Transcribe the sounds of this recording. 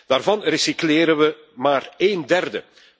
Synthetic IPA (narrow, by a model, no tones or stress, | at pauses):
d̥aːrvɑnrəsikleːɾənʋə | maːreːndɛrdə̰